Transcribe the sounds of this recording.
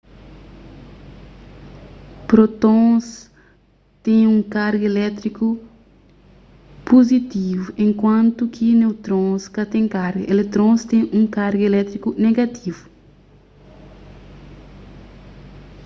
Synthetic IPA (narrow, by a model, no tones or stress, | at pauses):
pɾot̪õs | t̪ẽjũŋkaɾɡelɛt̪ɾiku | pozit̪ivuʔẽŋkwɐ̃nt̪ukʰinewt̪ɾõskɐt̪ẽŋkaɾɡɐʔelet̪ɾõst̪ẽjũŋkaɾɡelɛt̪ɾikuneɡɐt̪ʰivu